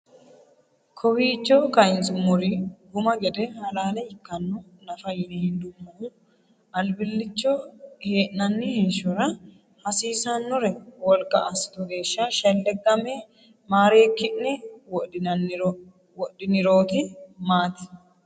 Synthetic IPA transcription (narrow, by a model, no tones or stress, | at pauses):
kʰɔwiːt͡ʃːɔkɐɪnsʼʊmːʊɾɪɡʊmɐɡɛd̪ɛhɐlaːlɛɪkːɐnːɔ | nɐfɐjɪnɛhɪnd̪ʊmːɐʔʊ | ɐlbɪlːɪt͡ʃːɔheːʔnɐnːɪhɪnʃɔɾɐ | hɐsiːsɐnːɔɾɛwɔlkʼːɐʔasɪ̥t̪ɔɡe̞ːʃːɐʃɐlːɛɡɐme | maːɾe̞ːkːɪʔnɪwɔ | wɔɗɪnɪɾo̞ːt̪ɪmaːt̪ɪ̥